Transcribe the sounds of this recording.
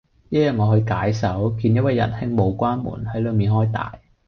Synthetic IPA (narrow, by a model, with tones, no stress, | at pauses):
jɐ˥jœː˨˩ŋɔː˨˧hɵ˧ɥkaː˨˥jsɐ˨˥wkiː˧njɐ˥t̚ɐ˧jːɐ̰˨˩nhɪ˥ŋmo˨˧wkʷaː˥nmṵː˨˩nhɐ˨˥jləː˨˧jmiː˨nhɔː˥jt̪a̰ː˨j